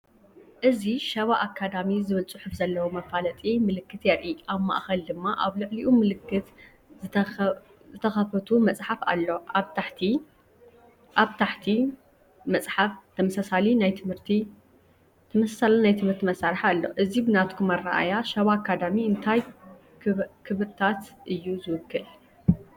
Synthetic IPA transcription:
ʔɨziʃɐβaʔakʰːad̪amizɨβɨlt͡sʼuħɨfzɐlːɐwomɐfalɐt̪ʼimɨlɨkːɨt̪jɛɾʔiʔaβma̰ʔxɐld̪ɨmːaʔaβlɨʕliʔumɨlɨkːɨt̪ | zɨ | zɨt̪ʰɐxɐfɐt̪ʰumɐt͡sʼħafa̰lːo̞ʔaβt̪ʰaħt̪ʰi | ʔaβt̪ʰaħt̪ʰi | mɐt͡sʼħaft̪ʰɐmɐsasalinajt̪ʰɨmhɨɾt̪ʰi | t̪ʰɐmɐsasalinajt̪ʰɨmhɨɾt̪ʰimɐsaɾħaalːo̞̰ʔɨzibɨnat̪kʰumɐra̰ʔa̰jaʃɐβakʰːad̪amiɨnt̪ʰaj | kʰɨβɾt̪ʰat̪ʔɨjːuzɨwɨkʰːɨl

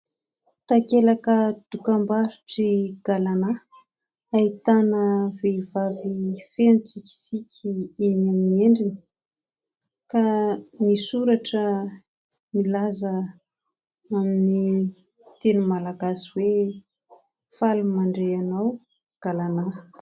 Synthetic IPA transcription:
t̪akelakəd̪̥ukambaɾu̥ʈ͡ʂiɡ̥alana | ait̪anəvevavifenut͡sikʲi̥sikʲʰienamieɳɖ͡ʐinə̥ | kanisuɾaʈ͡ʂə | milazə | amini | t̪enumalaɡasiwe | falumaɳɖ͡ʐeanaw | ɡ̥alana

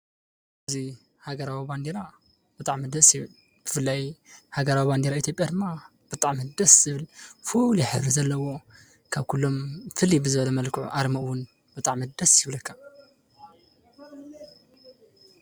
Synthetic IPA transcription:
ʔɨzi | haɡɐɾawiband̪eɾa | b̥ɨt̪ʼaʕmɨd̪ɐsjɪβɨl | b̥ɨfɨlːajhaɡɐɾawiband̪eɾait̪ʰjopʼjad̪ɨmːa | b̥ɨt̪ʼaʕmɨd̪ɐszɨβɨlfuljɛħɨ̰βɾizɐlːɐwo̞ | kʰaβkʰulːo̞mfɨlːibɨzɨβɐlɐmɐlkʰɨʕṵʔaɾmɐʔwʊn | b̥ɨt̪ʼaʕmɨd̪ɐsjɪβlɐkːa

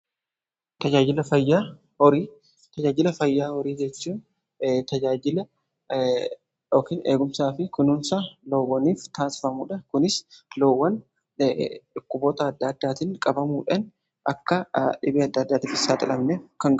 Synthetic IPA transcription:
t̪ɐd͡ʒaːd͡ʒɪlɐfɐjːaː | ɔɾiː | t̪ɐd͡ʒaːd͡ʒɪlɐfɐjːaːwɔɾiːd͡ʒɛt͡ʃːuːn | t̪ɐd͡ʒaːd͡ʒɪlɐ | oːkiːnḛːɡʊmsaːfɪkʊnʊnsaloːwːɐniːft̪aːnsɪ̥fɐmuːᶑɐkʊnɪsloːwːɐn | ᶑʊkːʊbo̞ːt̪ɐːd̪ːɐd̪ːaːt̪ɪŋkʼɐbɐmuːᶑɐn | ʔɐkːɐᶑɪbeːɐd̪ːɐd̪ːaːt̪ɪfɪsːaːt̪ʼɐlɐmnekɐŋɡ

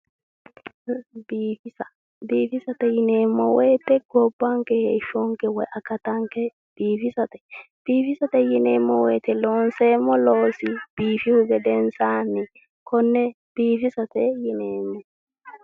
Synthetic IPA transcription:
biːfɪsɐ | biːfɪsɐt̪ɛjɪneːmːɔwɔjt̪ːɛɡɔbːaŋkɛheːʃɔŋkɛwɔjʔɐkːɐt̪ɐŋkɛ | b̥iːfɪsɐt̪ɛ̥b̥iːfɪsɐt̪ɛjɪneːmːɔwɔjt̪ɛloːnseːmːɔloːsɪb̥iːfɪhʊɡɛd̪ɛnsaːnɪ | kʰɔnːɛ | b̥iːfɪsɐt̪ɛjɪneːmːɔ

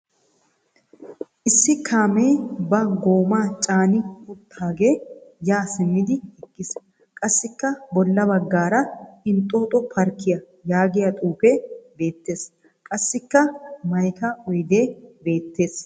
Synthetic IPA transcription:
ʔɪsːɪkʰaːmeːbɐɡo̞ːmaːt͡ʃʼaːnɪkʊt̪ʰːaːɡe̞ːjaːsɪmːɪd̪ɪɛkːɪs | kʼɐsːɪkːɐbɔlːɐbɐɡːaːɾɐɪnt̪ʼːoːt̪ʼɔpʰɐɾkːɪjɐ | jaːɡɪjɐt̪ʼuːpeːbe̞ːt̪ːe̞ːs | kʼɐsːɪkːɐmɐjkɐɔjd̪e̞ːbe̞ːt̪ːe̞ːs

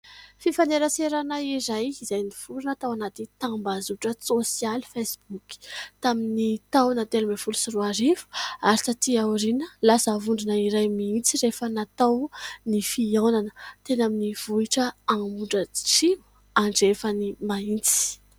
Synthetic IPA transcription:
fifaneɾəseɾanaiɾajizajnifuɾinət̪awanat̪it̪ambazuʈ͡ʂəsosialfesbuki̥t̪aminit̪awnat̪elumefulusiruaɾifu̥aɾitat̪iawɾinəlasəvuɳɖ͡ʐinəiɾajmiint͡siɾefənat̪awnifiawnanət̪enaminiv̥uiʈ͡ʂəanmuɳɖ͡ʐəʈ͡ʂimu | aɳɖ͡ʐefənimaint͡si̥

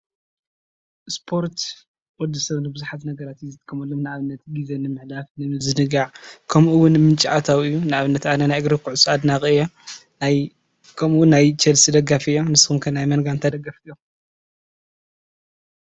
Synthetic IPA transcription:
spʰo̞ɾt̪ | wɔd̪ːɨsɐβnɨbɨzuħat̪nɐɡɐɾat̪jizɨt̪kʰɐmɐlːomnɨaβɨnːɐt̪ɡizɐnɨmɨħlafnɨɨzɨnɨɡaʕkʰɐmʔuwʊnmɨnt͡ʃʼiat̪ʰawɨjːunɨʔaβɨnːɐt̪anɐnajɡɾɐkʰuʕusʼad̪nakʼɨjɛ | kʰɐmuwnːajt͡ʃʰɐlsɨd̪ɐɡafɨjonɨsɨxumkʰɐnajmɐnɡant̪ʰad̪ɐɡaft̪jo

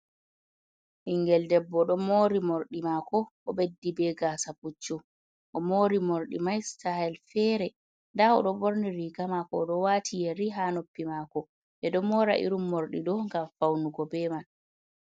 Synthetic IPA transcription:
hiŋɡɛldɛbːɔɗɔmoɾimoɾɗimakɔɔɓedːibɛɡaːsaput͡ʃːu | ʔɔmoɾimoɾɗimajstahɛlfɛːɾɛ | ndaɔ̰ɗɔboɾniɾiɡamakɔɗɔwatʰijɛɾiɦanopːimakɔ | ɓɛɗɔmɔɾa̰ʔḭɾumːoɾɗiɗɔŋɡamfawnuɡɔbɛman

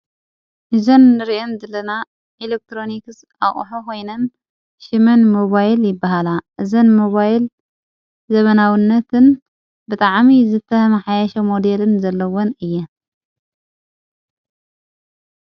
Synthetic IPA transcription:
ʔɨzɐnːɨɾiʔenzɐlɐna | ʔelek̚t̪ʰɾo̞nikɨs | ʔaχʼħokʰo̞jnɐn | ʃɨmɐnmoβajljɪbːaɦalaʔɨzɐnmoβajl | zɐβɐnawinːɐt̪ʰɨn | bɨt̪ʼaʕmizɨt̪ʰɐmɐħajaʃɐmo̞d̪elɨnzɐlːɐwonɨjːɛ

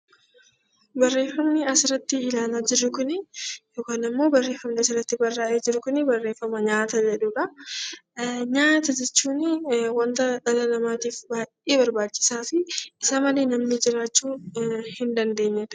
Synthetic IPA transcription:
bɐrːe̞ːfːɐmnɪɐsɪɾɐt̪ːɪɪlaːlaːd͡ʒɪɾːʊkʊnɪjo̞ːkaːnɪmːo̞ːbɐrːe̞ːfːɐmnɪɐsɪɾːɐt̪ːɪbɐrːaːʔeːd͡ʒɪɾʊkʊnɪbɐrːe̞ːfːɐmɐɲaːt̪ɐd͡ʒɛᶑuːᶑɐ | ɲaːt̪ɐd͡ʒɛt͡ʃːuːnɪwɐnt̪ɐᶑɐlɐlɐmaːt̪iːfbaːjʔʔeːbɐɾbaːt͡ʃːɪ̥saːfɪːsɐmɐle̞ːnɐmnɪd͡ʒɪɾaːt͡ʃːuːhɪnd̪ɐnd̪e̞ːɲːɛᶑ̪ɐ̥

